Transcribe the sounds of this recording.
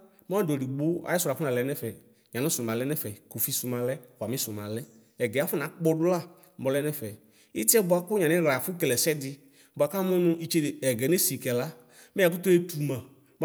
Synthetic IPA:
m˦a˦˨dɔ˨i˨ɡ͡bʊ˦a̰˨˦i˦sʊ˨ɾa˨fʊ˦nã˨lɛ˨˦nɛ˦fɛ˨ | ɲã˨nɔ̃˦sʊ˨mã˨lɛ˦nɛ˦fɛ˨ko˨fi˦su˨mã˨lɛ˦ka˨mĩ˦sʊ˨mã˨lɛ˦ | ɛ˨ɡɛ˨a˦fʊ˦nã˨˦k͡pɔ˦dʊ˦la˦˨ | bɔ˨lɛ˦nɛ˦fɛ˨ | i˦tɪ˦ɛ˦bʊ˨a˨kʊ˦ɲa˨ɪ̃˦ɣa˨fʊ˦kɛ˨lɛ˨sɛ˦dɪ˧ | bʊ˨a˨ka˦mʊ̃˦nʊ̃˧i˧t͡ʃe˦˨ɛ˨ɡɛ˨ne˦si˨kɛ˨la˦ | mɛ˦a˨kʊ˦tɔ˦e˦tu˨mã˨ | m˦

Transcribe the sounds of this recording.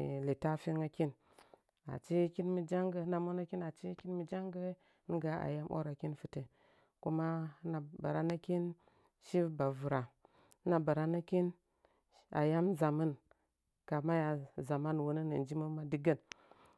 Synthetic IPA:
li˨ta˦fi˦ŋa˦ki˦n | a̰˨t͡ʃe˦ki˦nmi˨d͡ʒa˦ŋɡə˦na˨mo˦na˦ki˦na˨t͡ʃe˦ki˦nmi˨d͡ʒa˦ŋɡə˦ | ni˦ɡa˨a̰˨ja˦mʔo̰˦ɾa˨ki˦nfi˨te˨ | ku˦ma˦na˨ba̰˨ɾa˦na˦ki˦n | ʃi˦ba˨vu˨ɾa˨˦ | na˨ba˨ɾa˦na˦ki˦n | a̰˨ja˦mza˨mə˦n | ka˨ma˦ja˨za˨ma˦n˨wo˨˦nə˦nḭ˨n˨d͡ʒi˦mə˦ma˦di˦ɡə˦n

